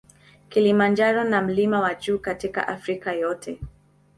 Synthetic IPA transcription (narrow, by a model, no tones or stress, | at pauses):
kilimand͡ʒaɾɔnam̩limawaʄuːkatika̰ʔafɾikajɔtʰɛ